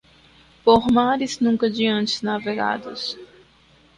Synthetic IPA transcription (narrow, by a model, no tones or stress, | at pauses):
poɾmaɾɪznũŋkɐd͡ʒiɐ̃nt͡ʃɪznaveɡa̰d̪ʊs